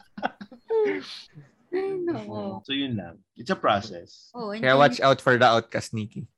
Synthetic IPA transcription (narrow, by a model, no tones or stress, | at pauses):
nsojʊnla̰ | ʔɪt̪sɐpɹɔsɛ̰s | oɛajwat͡ʃawt̪fɔɹd̪ɐʔaʊt̪̚kast̪̚niːki